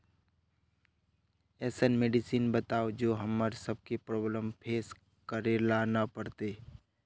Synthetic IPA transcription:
ɛːsənmeːɖɪsiːnbət̪aːod͡ʒoːɦəmːəɾsəb̚kepɾɔːbləmpʰeːs | kəɾelanapəɾt̪eː

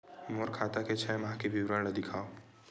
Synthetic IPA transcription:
moːɾkʰaːt̪aket͡ʃʰɛjmɦãkebʱiwɾəned̪ɪkʰaːo

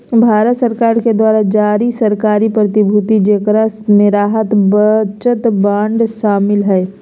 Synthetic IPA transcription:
bʱaːɾət̪səɾkaːɾked̪waːɾad͡ʒaːɾisəɾkaːɾipɾət̪ɪbʱʊt̪id͡ʒeːkɾasmẽɾaːɦət̪bət͡ʃət̪bãːɳɖʃaːmɪlɦɛː

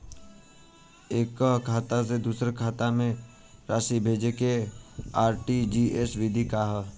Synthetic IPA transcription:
eːkːɦkʰaːt̪as̬ed̪uːsɾkʰaːt̪amẽ | ɾaːʃibʱeːd͡ʒekeaːɾʈid͡ʒiesʋɪd̪ʱikaɦɛ

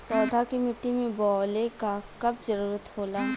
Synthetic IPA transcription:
pɔːd̪ʱakimɪʈːimẽbɔːlekakɐb̚zɐɾuːɾət̪ɦoːlaː

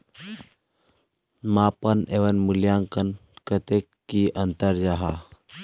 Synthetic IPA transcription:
mapəneʋənmuljãŋkənkət̪ekːiʔənt̪əɾd͡ʒaɦa

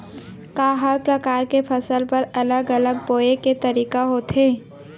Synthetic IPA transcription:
kaːɦəɾpɾɐkaːɾkepʰɐsəlpɐɾɐləɡələɡ̚boːeket̪ɐɾiːkaɦoːt̪ʰɦeː

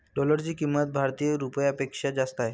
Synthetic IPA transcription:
ɖɔləɾt͡ɕiːkimːət̪̚bʱaɾt̪ijəɾupəjəpekʂad͡zast̪aj

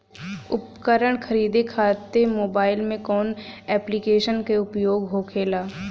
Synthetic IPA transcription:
ʊpkəɾəɽ̃kʰəɾiːd̪ekʰaːt̪emoːbaːɪlmẽkɔːnɛːplikeːʃənkeʊpjoːɡɦoːkʰeːlaː

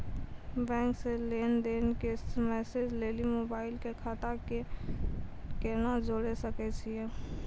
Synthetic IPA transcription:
bɛ̃ːŋkseleːnd̪eːnkemɛːsed͡ʒleːlimoːbaːɪlkekʰaːt̪ake | kenad͡ʒoːɽesəkɛt͡ʃʰieː

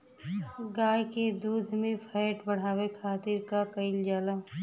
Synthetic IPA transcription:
ɡaːjked̪uːd̪ʱmẽpʰaːɪʈbəɽ̤aːwekʰaːt̪iɾkakəɪld͡ʒaːlaː

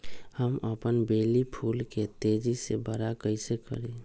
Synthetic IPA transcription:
həməpənbeːlipʰuːlket̪eːd͡ʒisebəɾakəɪsekə̰ɾe

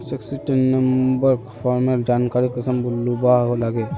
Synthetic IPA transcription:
seksiʈenːɐmbəɾkfʰɔːɾmeld͡ʒaːnkaːɾikɐsəmbʊlːubakolaɡe

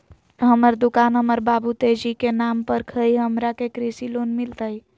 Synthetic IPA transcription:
ɦəməɾd̪ʊkaːnɦəməɾbaːbut̪eːd͡ʒikenaːmpəɾkʰəiɦəmɾakekɾisiloːnmɪlt̪əi

